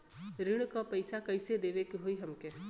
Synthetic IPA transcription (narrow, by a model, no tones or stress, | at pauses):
ɾɪɽ̃kapɐɪsakɐɪsed̪eːʋekiɦoiɦɐmke